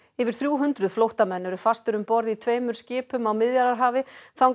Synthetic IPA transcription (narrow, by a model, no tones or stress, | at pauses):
ɪvɪɾ̥θɾjuːɦʏnt̪ɾʏðflowht̪amɛnːʏɾʏfast̪ʏɾʏmpɔɾðit̪ʰveːjmʏɾ̥scɪːpʏmawmɪðjaɾaɾɦaːvɪθawŋ